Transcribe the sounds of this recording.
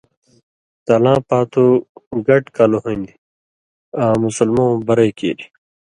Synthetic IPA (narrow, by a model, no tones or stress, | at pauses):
t̪alãːpaːt̪ʰoɡɐʈkaloɦoĩnd̪i | ãːmusɐlmõːbɐɾeːkḛːɾi̥